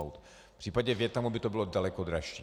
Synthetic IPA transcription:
wt̪ | pr̥iːpaɟɛvjɛt̪namubɪt̪obɪlodalɛkod̪ɾaʃi

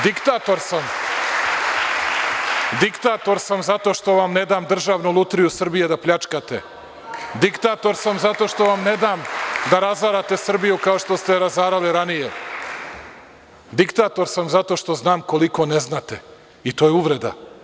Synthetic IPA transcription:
d̪ikt̪aːt̪o̞ɾsam | d̪ikt̪aːt̪o̞ɾsamzat̪o̞ʃt̪o̞ʋamne̞d̪aːmd̪r̩ʒaːʋnulˠut̪ɾijusr̩bije̞d̪apʎʲat͡ʂkat̪ḛ | d̪ikt̪aːt̪o̞ɾsamzat̪o̞ʃt̪o̞ʋamne̞d̪aːmd̪aɾazaːɾat̪e̞sr̩bijukao̞ʃt̪o̞st̪e̞ɾazaːɾaliɾanije | d̪ikt̪aːt̪o̞ɾsamzat̪o̞ʃt̪o̞znaːmko̞liko̞neznaːt̪e̞̰ | it̪o̞jeuʋɾe̞d̪a̰

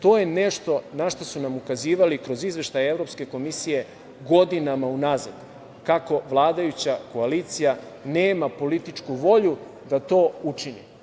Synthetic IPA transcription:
t̪o̞ːje̞ne̞ʃt̪o̞naʃt̪osunamukaziːʋalikɾo̞zizʋe̞ʃt̪ajaevɾopske̞ko̞misije̞ | ɡo̞d̪inamaunazad̪̥ | kako̞ʋlˠaːd̪ajut͡ɕako̞alit̪sija | neːmapo̞lit̪it͡ʃkuʋo̞ʎu | d̪at̪o̞ːut͡ʃinḭ

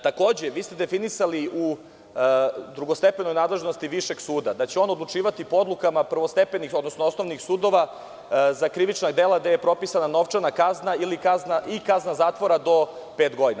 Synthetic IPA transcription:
t̪ako̞ːd͡ʑe̞ʋiːst̪e̞d̪e̞finisaliu | d̪ɾuɡo̞st̪e̞peno̞jnaːd̪le̞ʒnost̪iʋiʃe̞ɡsuːd̪ad̪at͡ɕeo̞ːnod̪lˠut͡ʂiːʋat̪ipood̪lˠukamapr̩ʋost̪e̞penixod̪nosnoosno̞ʋnixsuːd̪o̞ʋa | zakɾiʋit͡ʃnaɡd̪elˠad̪ejepɾo̞pisanano̞ʋt͡ʃanakaznailikaznaʔikaznazaːt̪ʋo̞ɾad̪o̞peːt̪ɡo̞d̪ina

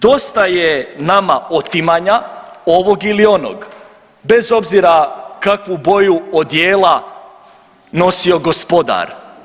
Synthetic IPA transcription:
d̪o̞st̪ajenamaʔot̪imaɲao̞ʋo̞ɡilio̞no̰ɡ | be̞zo̞bziɾakakʋubojuod̪jeːlˠa | no̞sio̞ɡo̞spo̞d̪a̰ɾ

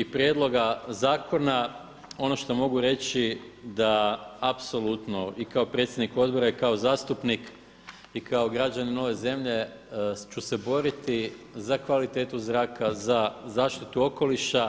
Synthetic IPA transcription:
ipɾje̞d̪lˠo̞ɡazaːkʰo̞na | o̞no̞ʃt̪o̞mo̞ɡuɾe̞t͡ɕid̪aapso̞lut̪no̞ikaopɾe̞t̪sʲjed̪nikuo̞d̪̚bo̞ɾaikao̞zaːst̪upnik | ikʰao̞ɡɾad͡ʑanino̞ʋe̞ze̞mʎe̞ | t͡ʃuse̞bo̞ɾit̪izakʋalit̪e̞ːt̪uzɾaːkazazaːʃt̪it̪uo̞ko̞liʃa

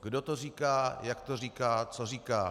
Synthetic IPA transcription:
ɡdot̪or̝iːkaːjakt̪orikaːt͡so̞riːkaː

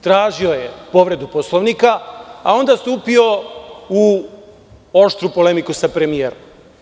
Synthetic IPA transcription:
t̪ɾaːʒio̞je̞po̞ʋɾe̞d̪uposlˠoʋnikaao̞nd̪ast̪uːpio̞u | o̞ʃt̪ɾupo̞le̞mikusapɾe̞mijeːɾom

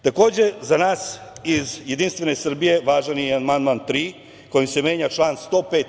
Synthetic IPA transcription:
t̪ako̞ːd͡ʑe̞zanaːsizjed̪inst̪ʋe̞nesr̩bije̞ʋaːʒanianmand̪mant̪ɾiː | ko̞jimse̞mje̞ːɲat͡ʃlˠaːnst̪o̞ːpeːt̪

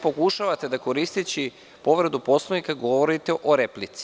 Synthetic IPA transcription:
po̞kuʃaʋat̪e̞d̪ako̞ɾist̪it͡ɕi | po̞ʋɾed̪upo̞slˠonikaɡo̞ʋoɾit̪eʔo̞ɾeplit̪si̥

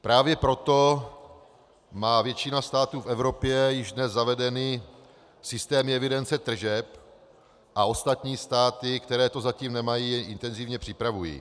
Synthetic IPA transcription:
pɾaːvjɛpɾo̞t̪o̞ | maːvjɛt͡ʃɪnast̪aːt̪uːfɛvɾo̞pjɛjɪʒdnɛzzavɛdɛniː | sɪst̪ɛːmɪɛvɪdɛnt͡sɛt̪r̩ʒɛp | ʔao̞st̪at̪ɲiːst̪aːt̪ɪkt̪ɛɾɛːt̪o̞zaciːmnɛmajiːʔɪnt̪ɛnzivɲɛpr̝̥ɪpɾavujḭ

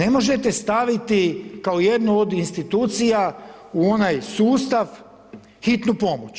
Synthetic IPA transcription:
ne̞mo̞ʒet̪e̞st̪aʋit̪ikaoje̞d̪nuod̪inst̪it̪uːt̪sijauo̞najsuːst̪aʋ | xit̪nupo̞mot͡ʃ

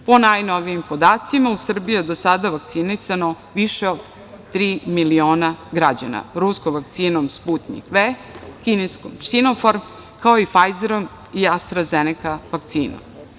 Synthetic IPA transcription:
po̞najnoʋijimpod̪aːt̪simausr̩bijued̪osad̪aʋak̚t̪sinisano | ʋiʃeod̪ | t̪ɾiːmilio̞ːnaɡɾad͡ʑa̰na̰ɾuskomʋak̚t̪siːnomspuːt̪nḭkʋeːkineskomsinofoɾ | kaoifajzeɾom | iast̪ɾazenekaʋak̚t̪sḭːno̰m

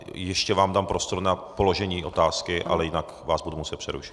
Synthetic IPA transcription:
jɛʃcɛvaːmdampɾo̞st̪o̞ɾnapo̞loʒɛɲiːʔo̞t̪aːskɪʔʔa̰lɛjɪnak | vaːzbudumusɛt̪̚pr̥ɛɾṵʃɪ̥t̪

